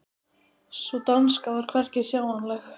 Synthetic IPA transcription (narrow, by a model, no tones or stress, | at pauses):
sɔt̪anskavaɾ̥kʰvɛr̥cɪsjaːwanlɛx